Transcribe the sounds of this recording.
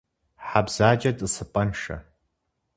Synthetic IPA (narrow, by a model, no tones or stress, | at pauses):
ħabz̥aːd͡ʒɐtʼɨsɨpʼɐnʂɐ̰